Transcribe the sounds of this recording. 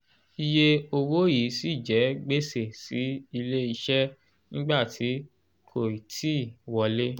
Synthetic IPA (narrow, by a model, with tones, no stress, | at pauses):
i˧je˧o˧wo˦ji˨˦si˦˨d͡ʒɛ˨˦ɡ͡be˦se˦˨si˨˦i˧le˦i˧ʃɛ˦ | nĩ˦ɡ͡ba˦˨tʰi˨˦ | kʰo˦˨i˨tʰi˦˨wɔ˧le˦